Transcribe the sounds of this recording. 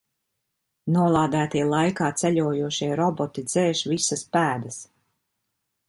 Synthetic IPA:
nuɔlˠaːd̪æːt̪iɛlˠajkaːt̪sɛʎʲuːjuɔʃiɛɾɔbɔt̪id̪zɛːʃvisaspæːd̪as

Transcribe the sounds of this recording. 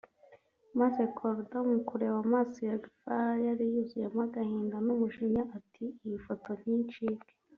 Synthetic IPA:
maze̞kʰoɾdamukuɾe̞wamaːsijadifajaɾijuzujemaɡahiːndanumuʃiɲaʔatʰiːjifo̞to̞nɲiːnt͡ʃiːke̥

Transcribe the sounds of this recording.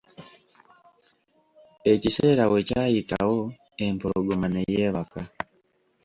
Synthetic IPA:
e̞cise̞ːɾawe̞caːjita̰wo̞ | empoɾoɡomanejeβaka

